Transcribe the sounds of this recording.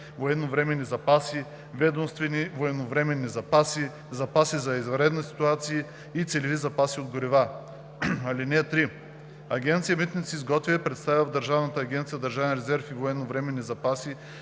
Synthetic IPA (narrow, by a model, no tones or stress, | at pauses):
voɛd̪novɾɛmɛnːizɐpasi | vɛd̪omst̪vɛnivoɛnovɾɛmɛnːizɐpasi | zɐpasizɐizvɾɛd̪nəsi̥t̪uat̪sijə | it̪sɛlivizɐpasiod̪ɡoɾiva | ɐlinɛt̪ɾi | ɐɡʲɛnt̪sijəmit̪nʲit̪siizɡɔt̪vʲiəpɾɛt̪st̪aviɐvd̪ɐɾʒavnət̪əːɡʲɛnt̪sijəd̪ɐɾʒavɛnɾɛzɛɾfivoɛnːovɾɛmɛnːizɐpasi